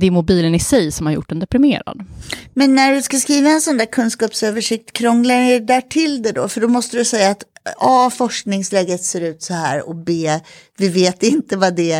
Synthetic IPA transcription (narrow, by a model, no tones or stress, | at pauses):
d̪ɛmʊbiːlənɪsɛjsɔmhaɾjʊ̰ʈ̚ːɛnd̪ɛpɾɪmḛːɾa̰d̪mɛnːæɖɵskaskɾiːvaɛnsɔnd̪æːɾkʰɵnskɑːpsøːvəʂɪk̚t̪kʰɾɔŋlaɾɛd̪æːʈʰɪld̪ɛd̪ɔ̰fœɖɔmɔst̪əd̪ɵsɛjːaːt̪ɑːfɔʂknɪŋslɛːɡət̪seːɾʉ̟ːt̪sɔhæ̰ːɾɔ̰beː | vɪveːt̪ɪnt̪əvad̪ɛ